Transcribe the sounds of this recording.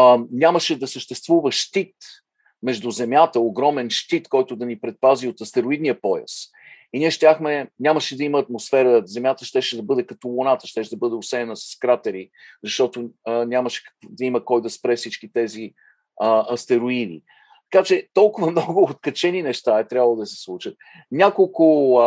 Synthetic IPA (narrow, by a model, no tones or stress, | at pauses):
nʲaməʃɛd̪ɐsəʃt̪ɛst̪vuvəʃt̪it̪ | mɛʒd̪uzɛmjat̪əoɡɾɔmɛnʃt̪it̪kɔjt̪ʊd̪ɐnipɾɛt̪̚paziot̪ɐst̪ɛɾoid̪niəpɔjɐ̰s | inʲiɛʃt̪ʲaxmɛnʲaməʃɛd̪ɐiməːt̪mosfɛɾəzɛmjat̪əʃt̪ɛʃɛd̪ɐbɤd̪ɛkɐt̪olʊnat̪əʃt̪ɛʃd̪ɐbɤd̪ɛosɛnəsɐ̥skɾat̪ɛɾizɐʃt̪ɔt̪ʊnʲaməʃɛ̥kd̪ɐiməkɔjd̪ɐspɾɛfsit͡ʃkit̪ɛzi | əɐst̪ɛɾoid̪ḭ | t̪ɐ̥kat͡ʃɛt̪ɔlˠkʊvəmnɔɡʊːt̪kɐt͡ʃɛninɛʃt̪aɛt̪ɾʲavəlˠod̪ɐəsɛ̥slˠut͡ʃət̪̚ | nʲakolˠkʊ